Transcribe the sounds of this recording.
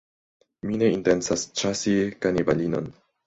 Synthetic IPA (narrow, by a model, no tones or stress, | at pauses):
mine̞inte̞nsast͡ʃasikanibalino̰n